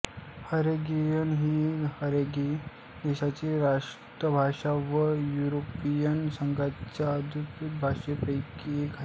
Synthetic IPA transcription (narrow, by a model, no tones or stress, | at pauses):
həɾeɡijənɦihəɾeɡi | d̪eɕat͡ɕeɾaʂ | ʈ̪əbʱaʂaʋəjuɾopijənsəŋɡat͡ɕad̪ʱuk̪bʱaʂepəjkiɡʱa